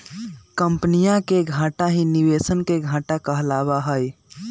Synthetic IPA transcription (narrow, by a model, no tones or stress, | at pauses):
kəmpnijãkeɡʱãʈaɦinibesənkeɡʱãʈakəɦlabaɦəj